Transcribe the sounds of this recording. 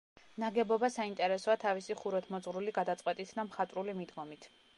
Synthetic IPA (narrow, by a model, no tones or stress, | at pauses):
naɡɛbɔbasaint̪ʼɛɾɛsɔat̪ʰavisiχuɾɔt̪ʰmɔzʁɾuliɡad̪at̪sʼqʼwɛt̪ʼit̪ʰd̪amχat̪ʼɾulimid̪ɡɔmit̪ʰ